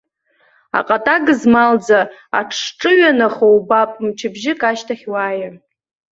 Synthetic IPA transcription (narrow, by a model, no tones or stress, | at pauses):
a̰qʼatʼaɡɨzmald͡zaa̰ʈ͡ʂʰʈ͡ʂʼɨɥanaχowbapʼmt͡ʃʰɪbʒɪkʼaʃtʰaχʲwaːjar